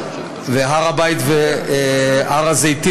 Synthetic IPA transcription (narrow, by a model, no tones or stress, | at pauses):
veɦaʁabajt̪ve | aʁazejt̪i